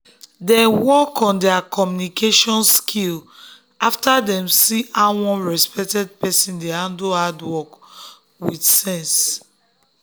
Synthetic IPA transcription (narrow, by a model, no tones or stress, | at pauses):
dɛ̃nwɔkʰɔ̃ndɛakɔmjunikʰeʃɔ̃nskʰil | aftadɛ̃msiawɔ̃nɹɛspɛk̚tɛd̚pɛsĩndeãndoadwɔk | widsɛ̃ns